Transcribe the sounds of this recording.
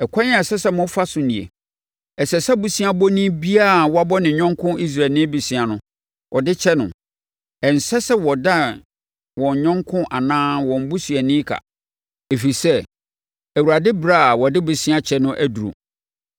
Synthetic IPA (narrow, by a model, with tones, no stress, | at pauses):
ɛ˨kʷʰã˦ɲ̃˦a˨sɛ˦sɛ˦mʊ̃˦fa˦sʊ̃˨nĩ˨ḛ˨ | ɛ˨sɛ˨sɛ˦bu˨sĩ˦a˦bɔ˦nĩ˦bi˦a˦˨wɔ˦a˦bɔ˦nɪ̃˨ɲɔ̃˦ŋ˦kʰʊ̃˦i˦s̬ɾa˨nɪ̃˦bi˨sĩ˨˦a˨nʊ̃˨˦ | wʔɔ˨dɪ˦t͡ɕʰɛ˦nʊ̃˨ | ɛ˨n̩˨sɛ˦sɛ˦wɔ˨da˦˨ | wɔ̃˨ɲ˨ɲɔ̃˦ŋkʰʊ̃˦ʔa˨nãː˦wɔ̃˨m̩˨bu˦sɥɛ˨nĩ˦kʰa̰˨ | e˨fi˨sɛ˦ | æ˨wu˨ɾa˨dɪ˦bɾa˦˨wɔ˨dɪ˦bʊ˨sĩ˦a˦t͡ɕʰɛ˦nʊ̃˦ʔæ˦du˨ɾṵ˨